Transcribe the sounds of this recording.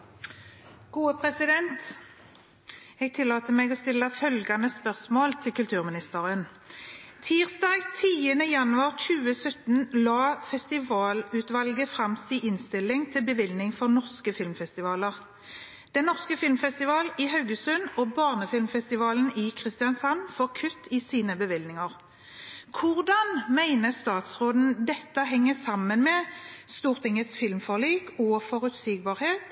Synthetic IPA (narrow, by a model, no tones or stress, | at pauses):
ɡ̥uːəpʰʁɛsɪd̪ɛnt̪ | ɛɡ̚t̪ʰɪlːɑːt̪əmɛɡoːst̪ɪləfœlɡɑnəspœʁsmoːlt̪ʰɪlkʉlt̪ʰʉːʁmɪnɪst̪əːʁən | t̪ʰiːʁsd̪ɑːɡt̪ʰiːənəjɑnʉɑʁt͡ʃʉːəsœt̪n̩lɑːfɛst̪ɪʋɑːlʉːt̪ʋɑlɡəfʁɑmsiːʔɪnst̪ɪlɪŋt̪ʰɪlbəʋɪlnɪŋfɔʁnɔʁskəfɪlmfɛst̪ɪʋɑːləʁ | d̪̥ɛnːɔʁskəfɪlmfɛst̪ɪʋɑːlɪɦɑʉɡəsʉnɔbɑːʁnəfɪlmfɛst̪ɪʋɑːln̩ɪkʰʁɪst̪ɪjɑnsɑnːfɔʁkʰʉt̪ʰːɪsiːnəbəʋɪlnɪŋəʁ | kʰʊʁd̪ɑnmæɪnəst̪ɑːt̪sʁoːd̪n̩d̪ɛt̪ːəɦɛŋːəsɑmːənmɛst̪uːʁt̪ʰɪŋəsfɪlmfɔʁliːkɔfɔʁʉt̪siɡ̚bɑːʁheːt̪